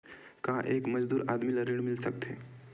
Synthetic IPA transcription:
kãʔekməd͡ʒd̪uːɾad̪milaɾiɽ̃milsəkt̪ʰe

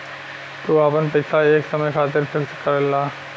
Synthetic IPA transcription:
t̪uaːpənpɐɪsaeːksɐməjkʰaːt̪̬ɪɾpɪɾskɐɾəlːaː

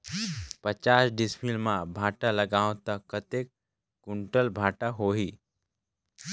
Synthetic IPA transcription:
pət͡ʃaːsɖɪsmilmãbʱaːʈaləɡaːõt̪əkːət̪eːk | kʊɳʈəlbʱaːʈaɦoːɦiː

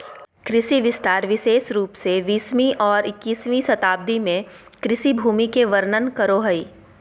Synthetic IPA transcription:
kɾɪʃiʋɪst̪aːɾʋɪʃeːʃɾuːpseʋiːsmĩʔɔːɾɪkːiːsmisɐt̪aːb̚d̪imẽkɾɪsibʱuːmikeʋəɾnənkɐɾoɦɐiː

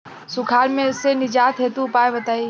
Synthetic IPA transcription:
sʊkʰaːɾmẽʊsːenɪd͡ʒaːt̪ɦeːt̪ũpaːebɐt̪aːi

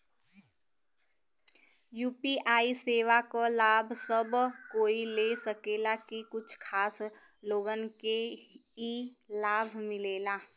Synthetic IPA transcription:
juːpiʔaːiseːʋakolaːbʱsəbkoːilesəkeːlakikʊt͡ʃʰkʰaːs | loːɡənkeilaːbʱmɪleːlaː

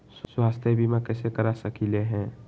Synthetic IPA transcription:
sswaːst̪ʰjebʱimãkɛːsekəɾasəkileɦɛ̃ː

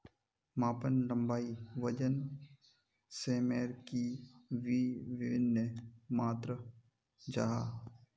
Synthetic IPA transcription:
maːpənləmbaːiʋəd͡ʒən | seːmeːɾkiʋiːʋɪʋɪnːəmaːt̪ɾə | d͡ʒaːɦaː

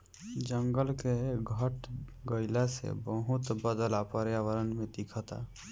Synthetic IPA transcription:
d͡ʒəŋɡəlkeɡʱəʈɡɔjlasḛbɔɦut̪bəd̪əlapɔɾjawəɾənmẽt̪ikʰɔt̪a̰

